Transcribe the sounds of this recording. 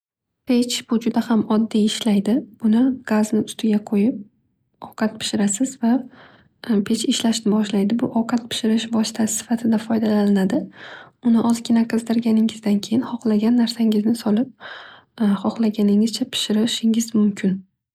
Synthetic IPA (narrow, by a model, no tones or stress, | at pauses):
pʰet͡ʃb̥ʊd͡ʒʊd̪ahamɒd̪ːijɪʃlajd̪ɪbʊnɪɡ̥aznɪʊst̪ʰɪɡʲaqʰojɪp̚ | ɒwqʰɑt̪̚pʰɪ̥ʃɪɾasɪzva | pʰe̞t͡ʃɪʃlaʃnɪbɒʃlajd̪ɪbʊʔɒwqʰɑt̪̚pʰɪ̥ʃɪɾɪʃbɒst̪ʰasɪ̥sɪ̥fat̪ʰɪd̪afɒjd̪alalɪnad̪ɪʊnɪʔɒzkʲʰɪnaqʰɨzd̪ɪɾɡʲanɪŋɪzd̪ankʲʰe̞jɪnχɒqlˠaɡʲanːaɾsaŋɪznɪsɒlˠɪp̚ | χɒχlˠaɡʲanɪŋɪz̥t͡ʃʰapʰɪ̥ʃɪɾɪʃɪŋɪzmʊmkʲʰɪn